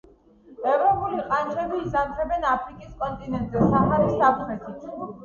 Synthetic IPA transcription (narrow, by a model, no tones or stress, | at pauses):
ɛvɾɔpʼuliqʼant͡ʃʰɾɛbiːzant̪ʰɛbɛnapʰɾikʼiskʼɔnt̪ʼinɛnt̪ʼzɛsaχɛlisak̚tʰmɛt̪ʰit̪ʰ